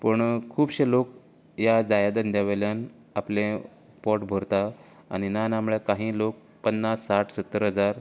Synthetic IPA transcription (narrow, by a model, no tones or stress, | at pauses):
pəɳkʰuːbɕelok | jad͡zajad̪ənd̪jaʋeljan | aplẽ | pɔʈbʱoɾt̪a̰ː | ninanamɭɛkaɦĩːlok̚ | pənːasːaʈʰsət̪ːəɾɦəd͡zaɾ